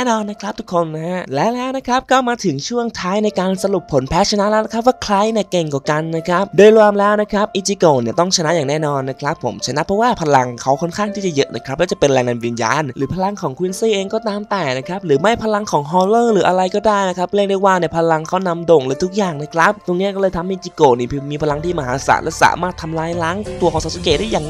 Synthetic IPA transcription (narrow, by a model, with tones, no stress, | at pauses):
nɔː˧nːa˦˥kʰɾa˦˥p̚t̪ʰu˦˥kʰːo˧nː˦˥ɦa˦˥ʔlɛː˦˥lɛː˦˥wna˦˥kʰɾa˦˥p̚kɔː˥˩maː˧t̪ʰɯ˨˩˦ŋt͡ɕʰu˥˩əŋt̪ʰaː˦˥jna˧jkaː˧nsa˧ɾu˨˩pʰːo˩˦npʰɛː˦˥t͡ɕʰa˧naː˧˦˥lɛː˦˥na˦˥kʰa˦˥p̚waː˥˩kʰla˦˥jni˧˩ke˨˩ŋkɔː˨˩ka˧nːa˦˥kʰɾa˦˥p̚doː˧jlwaː˧mlɛː˦˥wna˦˥kʰɾa˦˥p̚ʔi˦˧t͡ɕi˧koː˧˩ni˧˩ɐt̪ɔ˥˩ŋt͡ɕʰa˧na˦˥ʔjaː˨˩ŋnɛː˥˩nɔː˧nːa˦˥kʰɾa˦˥pʰːo̰˨˩˦mt͡ɕʰa˧na˦˥ʔpʰɾɔ˦˥waː˥˩pʰa˧la˧ŋkʰa˦˥wkʰo˧˥˩nkʰaː˥˩ŋt̪ʰiː˥˩t͡ɕa˨˩jɤ˦˥ʔna̰˦˩kʰɾa˦p̚lɛː˦˥wt͡ɕa˨˩pe˧nɾɛː˧ŋna˧nwi˧nja̰ː˧nɾɯː˩˦pʰa˧la˧ŋkʰɔː˩˦ŋkʰwi˦˧˥nsiː˥˩ʔeː˧ŋkɔː˥˩t̪aː˧mt̪ɛː˨˩na˦˥kʰa˦˥p̚ɾɯː˩˦ma˥˩jpʰa˧la˧ŋkʰɔː˩˦ŋɦɔː˧lɤː˥˩ɾɯː˩˦ʔa˧ɾa˧jkɔː˥˩daː˥˩jna˦˥kʰa˦˥p̚le˥˩ŋdu˥˩waː˧ni˧˩əpʰa˧la˧ŋkʰa˦˥wna˧mdo˨˩ŋɾɯː˨˦t̪ʰu˦˥k̚jaː˨˩ŋna˦˥˩kʰɾa˦˥p̚t̪o˧ŋni˦˥kɔː˥˩lːjt̪ʰa˧mʔi˧˩t͡ɕi˧koː˨˩niː˧˩pʰɯ˧˩miː˧pʰa˧la˧ŋt̪ʰiː˥˩ma˧ɦaː˩˦sa̰˨˩˦t̪̚lɛ˦˧˥sa̰ː˨˩˦maː˧˩t̪ʰːa˧mlaː˧˥jlaː˦˥ŋt̪u˧kʰɔː˨˦saː˨˧˩su˨˦keː˨˩da˥˩jaː˨˩ŋ